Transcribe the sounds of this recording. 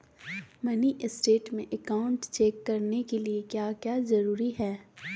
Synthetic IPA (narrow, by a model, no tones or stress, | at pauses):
mɐniʔɪsʈeːʈmẽʔɐkaːʊ̃ɳʈt͡ʃɛːkːɐɾnekeliekjaːkjaːzɐɾuːɾiɦɛː